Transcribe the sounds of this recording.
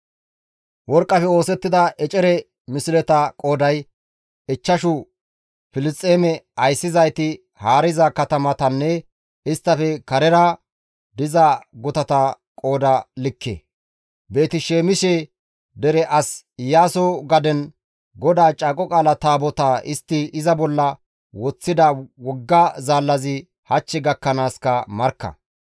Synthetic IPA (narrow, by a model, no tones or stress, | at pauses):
wɔɾkʼːɐfɛo̞ːsɛt̪ːɪd̪ɐʔɛt͡ʃʼɛɾɛ | mɪsɪlɛt̪ɐkʼo̞ːd̪ɐj | ɪt͡ʃːɐʃʊ | fɪlɪst̪ʼːeːmɛɐjsːɪzɐjt̪ɪ | haːɾɪzɐkɐt̪ɐmɐt̪ɐnːɛ | ɪst̪ːɐfɛkɐɾɛɾa | d̪ɪzaɡɔt̪ɐt̪ɐ | kʼo̞ːd̪ɐlɪkːḛː | be̞ːt̪ɪʃeːmɪʃɛ | d̪ɛɾɛʔɐs | jaːsɔɡɐd̪ɛn | ɡɔd̪aːt͡ʃʼaːkʼɔkʼaːlɐt̪aːbɔt̪aːʔɪst̪ːɪɪzɐbɔlːɐ | wɔt͡sːɪd̪ɐwɔɡːɐzaːlːɐzɪ | hɐt͡ʃːɛɡɐkːɐnaːskɐmɐɾkːɐ̰